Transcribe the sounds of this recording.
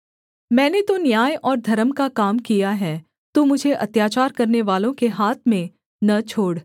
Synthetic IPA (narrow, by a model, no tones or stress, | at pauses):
mɛ̃ːnet̪onjaːjʔɔːɾd̪ʱɐɾəmkakaːmkijaɦɛː | t̪umʊd͡ʒʱeʔɐt̪jaːt͡ʃaːɾkɐɾneʋaːlõkeɦaːt̪ʰmẽ | nɐt͡ʃʰoːɽ